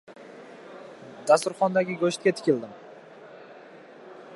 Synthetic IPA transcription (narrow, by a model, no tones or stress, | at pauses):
d̪ast̪ʊɾχɒnd̪aɡʲɪɡoʃt̪̚kʲat̪ʰɪ̥kʲɪld̪ɪm